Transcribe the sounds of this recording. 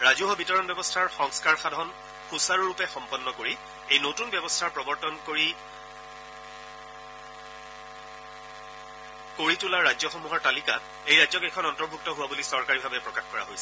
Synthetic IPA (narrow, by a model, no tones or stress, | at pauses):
ɹazuɦɔbitɔɹɔnbjɛbɔstʰaɹxɔŋskaɹxadʱɔn | xusaɹɹupɛxɔmpɔnːɔkoɹi | ejnotunbjɛbɔstʰaɹpɹɔbɔɹtɔnkoɹi | koɹitulaɹːajzɔxɔmuɦɔɹtalika | ejɹajzɔɡɛkʰɔnɔntɔɹbʱuk̚tɔɦʊwabulisɔɹkaɹibʱabɛpɹɔkaxkɔɹa̰ɦojsɛ̥